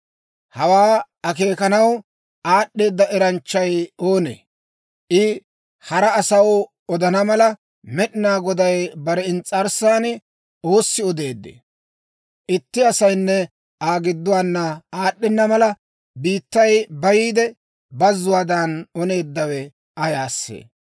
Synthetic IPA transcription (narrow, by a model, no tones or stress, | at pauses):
hɐwaː | ɐke̞ːkɐnɐw | ʔaːɗːe̞ːd̪ːɐʔɛɾɐnt͡ʃːɐjo̞ːnḛ | ʔɪ | hɐɾɐːsɐw | ɔd̪ɐnɐmɐlɐ | mɛɗɪnaːɡɔd̪ɐjbɐɾɛɪnt͡sʼɐɾsaːnɪ | o̞ːsːɪɔd̪e̞ːd̪ːḛː | ʔɪt̪ːɪɐsɐjnːɛ | aːɡɪd̪ːʊwaːnːɐaːɗːɪnːɐmɐlɐ | biːt̪ːɐjbɐjiːd̪ɛ | bɐzːʊwaːd̪ɐnɔne̞ːd̪ːɐwɛ | ʔɐjaːsːḛː